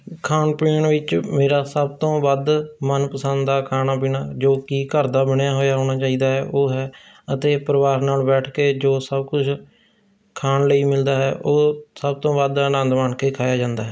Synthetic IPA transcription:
kʰaːnpeːɳʋɪt͡ʃmeːɾaːsəb̚t̪õːʋəd̪mənpəsə̃nd̪d̪aːkʰaːnaːbɪːnaːd͡ʒoːkiːkəɾd̪aːbəɳjaːɦoːjaːɦoːɽ̃aːt͡ʃaːiːd̪aːɦɛːʔoːɦɛː | ət̪eːpəɾəʋaːɾnaːlbɛːʈʰkeːd͡ʒoːsəbkʊt͡ʃʰ | kʰaːnləiːmɪld̪aːɦɛ̰ːʔoːsəb̚t̪õːbəd̪ənə̃nd̪maːɳkeːkʰaːjaːd͡ʒãːnd̪aːɦɛː

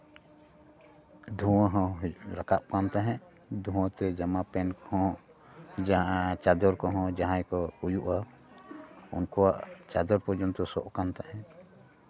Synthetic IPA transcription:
d̪ʱuwãɦɔ̃ɾakap̚kant̪aɦɛ̃ | d̪ʱũwɔ̃t̪ɛd͡ʒamapɛnkɔɦɔ̃ | d͡ʒt͡ʃad̪ɔɾkɔɦɔ̃d͡ʒaɦãjkɔujuʔa | unkɔwaʔt͡ʃad̪ɔɾpɔd͡ʒɔnt̪ɔsɔʔkant̪aɦɛ̃

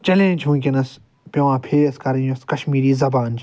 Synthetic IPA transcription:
t͡ʃɐlẽːnʲd͡ʒʰũːkʲinɐs | pʲɐʋãːpʰeɐskɐɾĩnɐskɐʃmiːɾiːzɐbaːnd͡ʒ

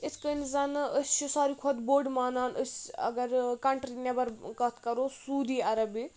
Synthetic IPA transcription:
it̪ʰkənzɐnɨʔəsʲt͡ʃʰusaːɾikʰod̪boːɖmaːnaːnəsʲɐ̰ɡɐɾkɐɳʈɾinɐbɐɾkɐt̪ʰkɐɾoːsuːd̪iɐɾɐbi

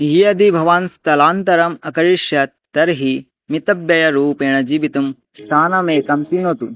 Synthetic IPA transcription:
ɦiɐd̪ʱibʱɐʋaːnst̪ɐlaːnt̪ɐɾɐmɐkɐɾiʃjɐ | t̪ɐɾɦi | mit̪ɐbjɐjɐɾuːpeːɳ̃ɐd͡ʒiːʋit̪ɐm | st̪ʰaːnɐmeːkɐmt̪inɦoːt̪u

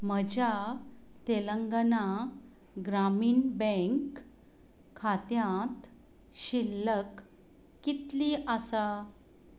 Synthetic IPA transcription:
məd͡ʑʱat̪eləŋɡəna | ɡɾamiːnbẽŋkʰː | at̪jãt̪ | ɕilːəkː | it̪liːʔəsa

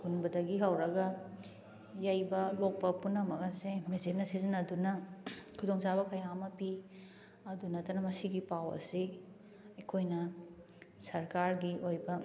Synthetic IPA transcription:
kunbɐdɐɡiɦɐwɾɐɡɐ | jajbɐlok̚pɐpunːɐmɐɡɐsemezet̚nɐsizinɐdunɐkʰudoŋt͡ʃabɐkɐjamɐpi | ɐdunɐtɐnɐmɐsiɡipawɐ̰si | ɐjkʰojnɐ | sɐɾkaɾɡiojbɐ

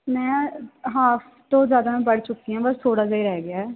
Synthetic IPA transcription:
mɛ̃ːɦaːf | t̪õːzjaːd̪aːmɛ̃bəɽt͡ʃʊkːiːãːbəst̪ʰoːɽaːaiːɾɛɦɛːɡeaːɛː

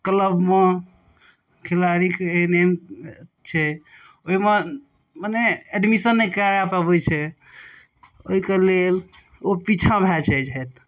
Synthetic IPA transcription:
kələbme | kʰelaɽikenemt͡ʃʰɛ | oime | maneeɖmisənːɛkɾaɾapabɛt͡ʃʰɛ | oɦikelel | opit͡ʃʰabʱɛt͡ʃʰɛd͡ʒɛt̪

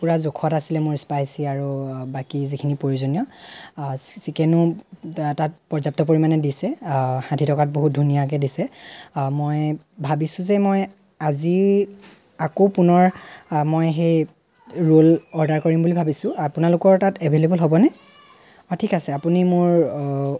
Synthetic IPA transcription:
puɹazokʰɔtasilɛmʊɹspajsiaɹubakizikʰinipoɹiuzɔnijɔ | ssikɛnʊ | tat̚pɔɹzap̚tɔpoɹimanɛdisɛxãdʱitɔkat̚boɦut̚dʱunijakɛdisɛmoj | bʱabisʊ̃zɛmɔj | azi | akopunɔɹmojɦej | ɹolɔɹdaɹkoɹimbulibʱabisʊ̃apunalʊkɔɹtatebʱelebɔlɦobɔnɛ | ɔtʰikasɛapunimʊɹ

